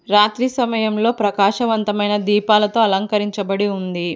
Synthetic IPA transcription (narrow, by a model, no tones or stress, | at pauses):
ɾaːt̪ɾisɐmɐjɐmlo̞ːpɾɐkaːʃɐʋɐnt̪ɐmɐjnɐd̪iːpaːlɐt̪o̞ːɐlɐŋkɐɾiɲt͡ʃɐbɐɽiund̪i